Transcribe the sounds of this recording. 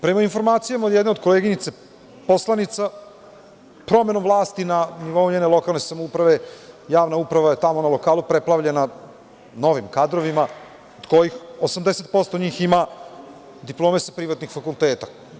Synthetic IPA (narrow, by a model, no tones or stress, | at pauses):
pɾe̞mainfo̞ɾmaːt̪sijamad̪jed̪ne̞od̪ko̞leːɡinit̪se | po̞slˠanit̪sa | pɾo̞me̞nomvlˠaːst̪inaniʋo̞uɲene̞lo̞kalˠne̞samoupɾaʋe̞jaːʋnaupɾaʋaje̞t̪amo̞nalo̞kaːlupɾeplˠaʋʎe̞na | no̞ʋimkad̪ɾo̞ʋima | od̪ko̞jixosamd̪eset̪̚po̞st̪oɲiːxima | d̪iplˠo̞ːmesapɾiʋat̪nixfakulˠt̪eːt̪ḁ